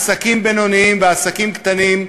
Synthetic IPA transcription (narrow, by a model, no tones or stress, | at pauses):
sakimbeno̞niimveasakimkt̪anim